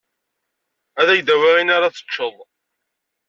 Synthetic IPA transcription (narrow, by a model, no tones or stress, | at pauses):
æðæjd̪æwiʁinaɾat͡sə̥t͡ʃːəðˤ